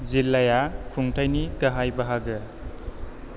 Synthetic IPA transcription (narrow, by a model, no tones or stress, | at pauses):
zilːajakʰuŋtʰajnikɐɦajbaɦaɡɯ